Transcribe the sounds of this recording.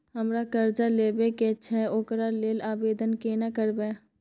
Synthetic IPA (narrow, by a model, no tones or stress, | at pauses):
ɦəmɾakəɾd͡ʒaleːbeket͡ʃʰɛoːkɾaleːlaːbeːd̪ənkeːnakəɾbeː